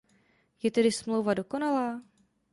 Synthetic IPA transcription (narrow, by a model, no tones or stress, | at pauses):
jɛt̪ɛdɪsmlo̞wvado̞ko̞nalaː